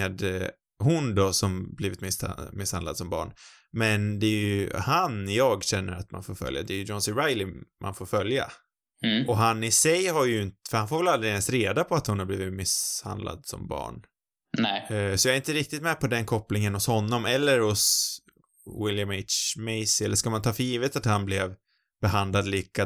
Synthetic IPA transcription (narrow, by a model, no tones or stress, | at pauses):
eːd̪ | ɦʊnd̪ɔsɔmbliːvɪt̪mɪsmɪshand̪ad̪sɔmbɑ̰ːɳ | mɛnd̪ɛːjɵhanɪjɑːɡɕɛnːəɾat̪ma̰nfoːɾfœ̰lja̰d̪ɛːjɵd͡ʒɔnsɪɾajlɪmʔa̰nfoːɾfœlja̰ | ʔɔɦanɪsɛjhaɾjəɪnt̪fœɾhanfoːɾvɛlald̪ɾɪɛnst̪ɾeːd̪apʰɔat̪hʊnhaɾbliːvɪt̪mɪsha̰nd̪la̰d̪sɔ̰mbɑ̰ːɳ | nɛsɔjɑːɾɪnt̪əɾɪk̚t̪ɪt̪mɛpʰɔd̪ɛnkʰɔpːlɪŋənhʊshɔnːɔmɛlːəɾhʊs | wɪljameɪt̪t͡ʃmɛɪsɪɛlːəʂkalmant̪ʰɑːfœɾjiːvət̪at̪hanblɛv | b̥ɛɦand̪lad̪liːka